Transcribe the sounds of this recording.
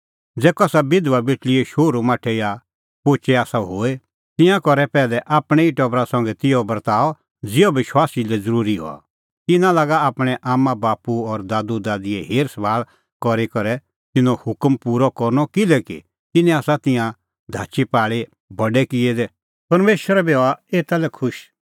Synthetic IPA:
d͡zɛːkɔaːsabɪd̪ʋabɪʈliɛʃoːɾumaːʈʰɛja | poːt͡ʃɛaːsaɦoːe | t̪ɪ̃jãkɔɾɛpɛːlɛʔaːpɽ̃ɛiʈɔbɾasɐ̃ŋɡɛt̪ɪjɔbɐɾt̪aːɔ | d͡zɪjɔbɪʃwaːsilɛd͡zɐɾuːɾiɦɔ̰a̰ | t̪ɪnãlaːɡaaːpɽ̃ɛʔaːmãbaːpuɔɾd̪aːd̪ud̪aːd̪ɪɛɦeːɾsɐbʱaːɭ | kɔɾekɔɾɛ | t̪ɪnɔ̃hʊkmpuːɾɔkɔɾnɔkɪlɛkḭ | t̪ɪnɛ̃aːsat̪ɪ̃jã | d̪ʱaːt͡ʃipaːɭe | bɐɖɛkɪɛd̪ɛ | pɐɾmeːʃəɾɛbeoaeːt̪alɛkʰʊʃ

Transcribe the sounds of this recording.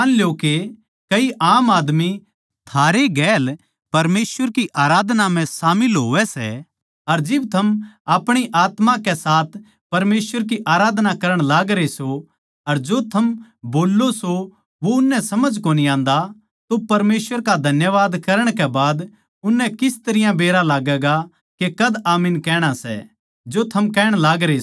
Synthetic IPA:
nljoke | kɐiʔaːmaːd̪mi | t̪ʰaːɾeɡɛːl | pɐɾmeːsʋəɾkiʔaːɾaːd̪namɛ̃saːmɪlɦoːʋɛsɛ̰ | ɐɾd͡ʒɪb̚t̪ʰɐmaːpɽ̃iʔaːt̪mãkɛsaːt̪ʰ | pɐɾmeːsʋəɾk̬iʔaːɾaːd̪nakɐɾəɽ̃laːɡɾeso | ɐɾd͡ʒot̪ʰɐmboːlːoso | ʋoʊnːɛ̃sɐməd͡ʒkoːniãːnd̪a | t̪opɐɾmeːsʋəɾkad̪ʱɐnjəʋaːd̪kɐɾəɽ̃kɛbaːd̪ | ʊnːɛ̃kɪst̪ɐɾɪjãbeːɾalaːɡɛːɡa | kekɐd̪aːmɪnkɛːɽ̃asɛ̰ | d͡ʒot̪ʰɐmkɛːɽ̃laːɡɾe

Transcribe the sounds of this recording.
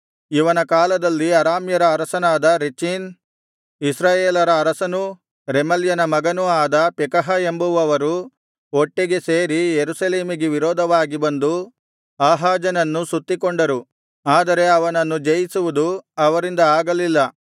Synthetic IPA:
iʋɐnɐkaːlɐd̪ɐlːiɐɾaːmjɐɾɐːɾɐsɐnaːd̪ɐɾet͡ʃiːn | isɾaːjeːlɐɾɐːɾɐsɐnu | ɾemɐljɐnɐmɐɡɐnuaːd̪ɐpɛkɐɦɐembuʋɐʋɐɾu | oʈːeɡese̞ːɾijeɾusɐle̞ːmiɡeʋiɾɔːd̪ʱɐʋaːɡibɐnd̪u | aːɦaːd͡ʒɐnɐnːusut̪ːikoɳɖɐɾu | aːd̪ɐɾe̞ɐʋɐnɐnːud͡ʒɐjisuʋud̪uɐʋɐɾind̪ɐaːɡɐlilːɐ

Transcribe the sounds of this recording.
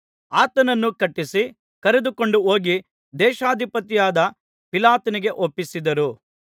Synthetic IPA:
aːt̪ɐnɐnːukɐʈːisi | kɐɾed̪uko̞ɳɖuɦo̞ːɡi | d̪ɛːʃaːd̪ʱipɐt̪ijaːd̪ɐ | pilaːt̪ɐniɡe̞ʔopːisid̪ɐɾu

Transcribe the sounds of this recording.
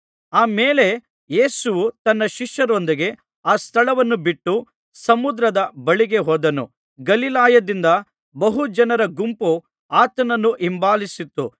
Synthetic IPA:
aːme̞ːle̞ | je̞ːsuʋut̪ɐnːɐʃiʂjɐɾond̪iɡe̞ | aːst̪ʰɐɭɐʋɐnːubiʈːu | sɐmud̪ɾɐd̪ɐbɐɭiɡe̞ɦoːd̪ɐnṵ | ɡɐlilaːjɐd̪ind̪ɐ | bɐɦud͡ʒɐnɐɾɐɡumpu | aːt̪ɐnɐnːuʔimbaːlisit̪ːṵ

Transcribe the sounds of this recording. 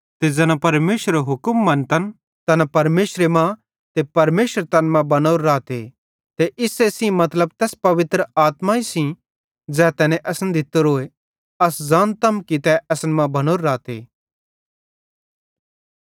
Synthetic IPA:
t̪ed͡zɛːnapɐɾmeːʃɾeɦʊkəmːɐ̃nt̪ɐn | t̪ɐnapɐɾmeːʃɾemã | t̪epɐɾmeːʃəɾt̪ɐnmãbɐnoːɾːaːt̪ḛ | t̪eʔɪsesĩmɐt̪ləb̚t̪ɛːspɐʋɪt̪ɾəaːt̪maisĩ | d͡zɛːt̪ɛːnɛ̃ʔɐsənd̪ʱɪt̪ːoɾoːe | ɐsd͡zãːnt̪ɐmkit̪ɛʔɐsənmãbɐnoːɾːaːt̪ḛː

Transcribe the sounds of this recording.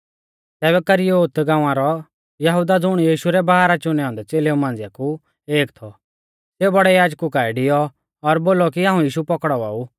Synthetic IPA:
t̪ɛːβɛkɐɾijɔot̪ɡãːãɾɔ | jɐɦud̪ad͡zʊɽ̃jiːʃuɾɛbaɦaːɾat͡ʃʊnɛɔ̃ːnd̪ɛt͡seːleũmãːnd͡zjaku | eːkt̪ʰɔ | seːubɐɽɛjaːd͡ʒkukaːɛɖɪjɔ | ɔɾboːlɔkiaːũjiːʃupɔkɽɔa̰ːu

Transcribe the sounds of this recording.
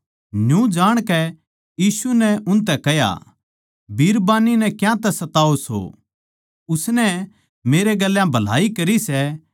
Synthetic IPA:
njũd͡ʒaːɽ̃kɛ | jiːsunɛʔʊnt̪̬ɛkɛja̰ | bʱiːɾbaːninɛkjãt̪ɛsɐt̪aːoso̰ | ʊsnɛ | meːɾeɡɐlːjãbʱɐl̤a̰ːikɐɾisɛ

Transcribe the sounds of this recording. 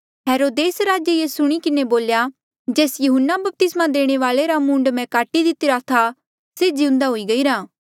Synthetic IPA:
ɦɛːɾoːd̪eːsɾaːd͡ʒeiesʊɽ̃ikɪneboːlja | d͡ʒeːsjʊɦʊnːabɐp̚t̪ɪsmãd̪eːɽ̃eʋaːleɾamũːɳɖmɛ̃kaːʈid̪ɪt̪ɪɾat̪ʰa | seːd͡ʒiʊ̃nd̪aɦʊiɡɐiɾãː

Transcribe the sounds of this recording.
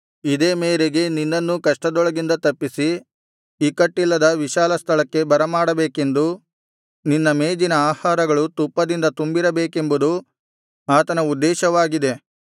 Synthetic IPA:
id̪eːmeːɾeɡe̞ninːɐnːukɐʂʈɐd̪ɔɭɐɡind̪ɐt̪ɐpːisi | iːkɐʈːilːɐd̪ɐʋiʃaːlɐst̪ʰɐɭɐkːe̞bɐɾɐmaːɽɐbeːke̞nd̪u | ninːɐmeːd͡ʒinɐaːhaːɾɐɡɐɭut̪upːɐd̪ind̪ɐt̪umbiɾɐbeːke̞mbud̪u | aːt̪ɐnɐud̪ːɛːʃɐʋaːɡid̪e̞

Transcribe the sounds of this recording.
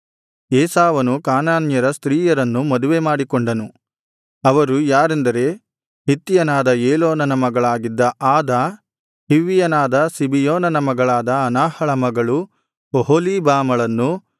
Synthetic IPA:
eːsaːʋɐnukaːnaːnjɐɾɐst̪ɾiːjɐɾɐnːumɐd̪uʋemaːɽikɔɳɖɐnu | ɐʋɐɾujaːɾend̪ɐɾe̞ː | ɦit̪ːijɐnaːd̪ɐeːloːnɐnɐmɐɡɐɭaːɡid̪ːɐʔaːd̪ɐ | hiʋːijɐnaːd̪ɐsibijoːnɐnɐmɐɡɐɭaːd̪ɐːnaːhɐɭɐmɐɡɐɭu | oɦoliːbaːmɐɭɐnːu

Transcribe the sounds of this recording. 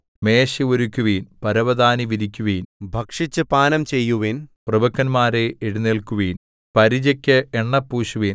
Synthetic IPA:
meːɕioɾukʲːuʋiːnpɐɾɐʋɐd̪aːniʋiɾikʲːuʋiːnbʱɐkʂit͡ɕːɨpaːnɐmt͡ɕe̞jːuʋiːnprɐbɐkːɐnmaːɾeʔeɽuneːɭkuʋiːn | pɐɾid͡ʑɐkʲːɨeɳːɐpːuːɕuʋiːn

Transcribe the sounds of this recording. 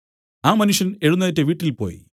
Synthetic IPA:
aːmɐnuʂjɐne̞ɻunːɐjɐtːeʋiːʈːilpo̞̰ːji

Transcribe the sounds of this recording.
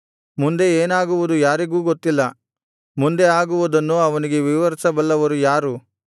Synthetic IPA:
mund̪e̞eːnaːɡuʋud̪ujaːɾiɡuːɡot̪ːilːɐ | mund̪e̞aːɡuʋud̪ɐnːuɐʋɐniɡe̞ʋiʋɐɾsɐbɐlːɐʋɐɾujaːɾu

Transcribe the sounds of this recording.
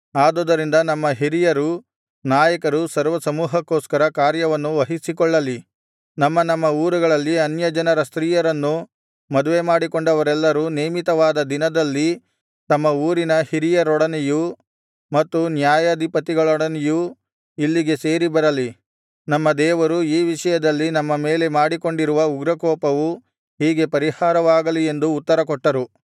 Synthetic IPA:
aːd̪oːd̪ɐɾind̪ɐnɐmːɐɦiɾijɐɾu | naːjɐkɐɾusɐɾʋɐsɐmuːɦɐkːoːskɐɾɐkaːɾjɐʋɐnːuʋɐɦisikɔɭːɐli | nɐmːɐnɐmːɐuːɾuɡɐɭɐlːiɐnjɐd͡ʒɐnɐɾɐst̪ɾiːjɐɾɐnːu | mɐd̪uʋe̞maːɽikɔɳɖɐʋɐɾɛlːɐɾuːneːmit̪ɐʋaːd̪ɐd̪inɐd̪ɐlːi | t̪ɐmːɐuːɾinɐhiɾijɐɾɔɽɐnɛju | mɐt̪ːunjaːjɐd̪ʱipɐt̪iɡɐɭɔɽɐnɛju | ilːiɡe̞se̞ːɾibɐɾɐli | nɐmːɐd̪ɛːʋɐɾuiːʋiʂɐjɐd̪ɐlːinɐmːɐme̞ːle̞maːɽiko̞ɳɖiɾuʋɐuɡɾɐkɔːpɐʋu | ɦiːɡe̞pɐɾihaːɾɐʋaːɡɐlie̞nd̪uːt̪ːɐɾɐkɔʈːɐɾu

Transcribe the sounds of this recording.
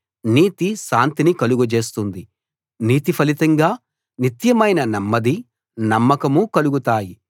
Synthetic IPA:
niːt̪iʃaːnt̪inikɐluɡud͡ʒe̞ːst̪und̪i | niːt̪ipʰɐlit̪ɐŋɡaː | nit̪jɐmɐjnɐnɐmːɐd̪i | nɐmːɐkɐmukɐluɡut̪aːji

